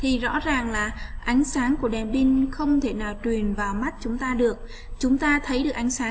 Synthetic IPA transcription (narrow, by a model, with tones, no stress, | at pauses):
t̪ʰi˨˩zɔ̰˧˥zaː˨˩ŋlaː˨˩ʔa˨˦jŋ̟saː˨˦ŋku˧˩əɗɛ˨˩mɓi˧nxə˧wŋ͡mt̪ʰe˧˩naː˨˩wt͡ɕwi˨˩ənvaː˨˩wma˦˥t̚t͡ɕʊ˨˦ŋ͡mt̪aː˧ɗɨ˨˩ək̚ | t͡ɕʊ˨˦ŋ͡mt̪aː˧t̪ʰə˨˦jɗɨ˨˩ək̚ʔa˨˦ŋsaː˨˦